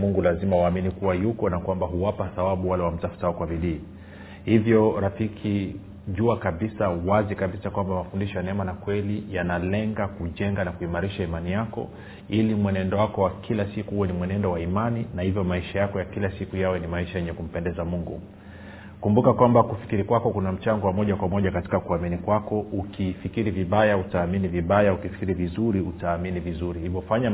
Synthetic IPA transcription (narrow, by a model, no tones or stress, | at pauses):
muŋɡulazimawaːminikuwajukɔnakwambaɦuwapaθabaɓuwalɛwam̩tafu̥taɔkwabiliː | hivjɔɾafikʰi | ʄuakaɓisawazikaɓisakwambamafundiʃɔjanɛmanakwɛlijanalɛŋɡakuʄɛŋɡanakuimaɾiʃaimanijakɔ̰ | ilimwɛnɛndɔwakɔwakʰilasikuhuwɛnimwɛnɛndɔwaimaninahivjɔmaiʃajakɔjakilasikujawɛnimaiʃajɛɲɛkum̩pɛndɛzamuŋɡṵ | kumbukakwambakufi̥kiɾikwakɔkunam̩t͡ʃaŋɡɔwamɔʄakwamɔʄakati̥kakuaminikwakɔʔukifikiɾiviɓajautaːminiviɓajaukifi̥kiɾivizuɾiutaːminivizuɾihivɔfaɲa